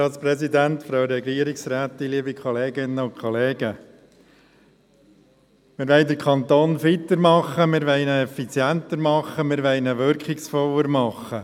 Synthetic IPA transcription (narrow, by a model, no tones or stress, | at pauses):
ɑːtspɾɛsid̪ænt̪fɾɑʊɾɛɡliəɾiksɾæːt̪ɪliəbikʰχɔleːɡɪnːəʊnkʰχɔleːɡ̥ə | mɪːɾʋɛɪd̪əɾkʰɑnt̪oːnfit̪əɾmɑχːəmɪɾʋɛɪnəɛfit͡sjænt̪əɾmɑχːəmɪːɾʋɛɪnəʋʏɾkχɪksfɔlːəɾmɑχə